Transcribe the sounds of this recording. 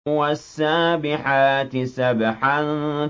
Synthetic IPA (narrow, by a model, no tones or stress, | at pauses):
wasːaːbɪħaːt̪ɪsabħan